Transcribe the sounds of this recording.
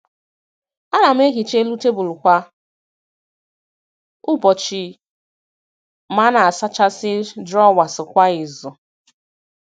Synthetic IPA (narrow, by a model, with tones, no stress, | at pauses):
a˦ɾa˨m̩˦e˦ɦi˨t͡ʃe˦lu˦te˦bʊ˨lʊ˨kʷa˦ | ʊ˦bɔ˨t͡ʃi˨ | ma˦na˨a˨sa˦t͡ʃa˦sɪ˦dɾɔ˦˨wa˨sɪ˨kʷa˦ɪ˨zɔ˨